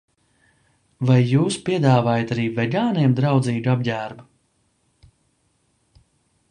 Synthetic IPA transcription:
vajːuːspiɛd̪aːvaːjat̪aɾiːvɛɡaːniɛmd̪ɾawd̪ziːɡab̚ɟæːɾba

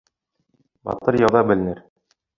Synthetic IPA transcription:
bɑ̰t̪ɤɾjɑwðɑbɘ̆lɘ̆nɘɾ

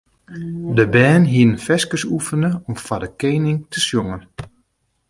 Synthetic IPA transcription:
dəbɛːnɦiənfɛskəsufənəɔmfadəkeːnɪŋtʰəsjoŋən

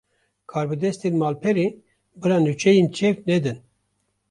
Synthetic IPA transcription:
kʰaːɾbɨd̪ɛst̪inmɑːlpʰɛɾi | bɨɾaːnut͡ʃʰɛjent͡ʃʰɛfnɛd̪ɨn

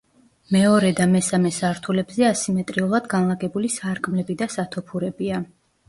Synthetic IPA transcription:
mɛɔɾɛd̪amɛsamɛsaɾt̪ʰulɛbzɛasimɛt̪ʼɾiulˠad̪ɡanlˠaɡɛbulisaɾkʼmlɛbid̪asat̪ʰɔpʰuɾɛbia

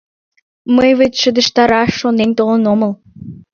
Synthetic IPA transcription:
məjβet͡ɕʃəd̪ə̆ʃt̪ɑɾɑʃːonent̪olənoməl

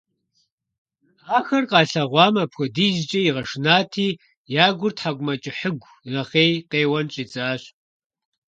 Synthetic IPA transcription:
aːxɐrqɑːɬɐʁʷɑːmɐpxʷɔdiːzt͡ʃʼɐjiʁɐʂnaːtʰiː | jaːɡʷʊrtʰħaɡʷʊmɐt͡ʃʼɪħəɡʷ | rɐχeːjqeːwɐnt͡ʃʼiːt͡sʼaːɕ

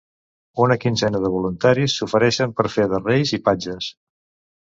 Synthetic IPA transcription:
unəkinzɛnəðəβ̞ulunt̪aɾisːufəɾɛʃəmpəɾfeðərejzipad͡ʒəs

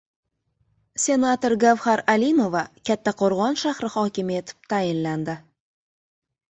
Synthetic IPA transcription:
sʲe̞nat̪oɾɡavhaɾalimo̞vakʲʰat̪ʰːaqʰoɾʁɒnʃahɾɪhɒkʲɪme̞t̪ʰɪ̥p̚t̪ʰajɪnland̪ɪ

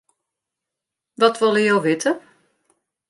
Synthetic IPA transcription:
ʋɔtʋɔlˠəjowʋɪtʰə

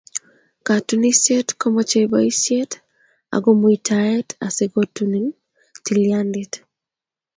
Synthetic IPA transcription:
katunisjetkomot͡ʃebaisjet | a̰ɡomoitʰaɛtaseɡotunin | tiliandit

